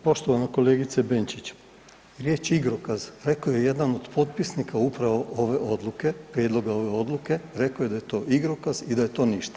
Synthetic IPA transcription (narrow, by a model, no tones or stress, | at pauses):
po̞ʃt̪o̞ʋanako̞le̞ːɡit̪sebent͡ʃit͡ɕ | ɾjeːt͡ʃiɡɾokazɾe̞koje̞je̞d̪ano̞d̪pʰo̞t̪pisnikaupɾaʋo̞ʔoʋe̞ʔod̪luke̞pɾjeːd̪lˠo̞ɡao̞ʋe̞o̞d̪lˠuke̞ɾe̞koje̞d̪ajet̪o̞ːiɡɾokazid̪aje̞t̪o̞ːniʃt̪ḁ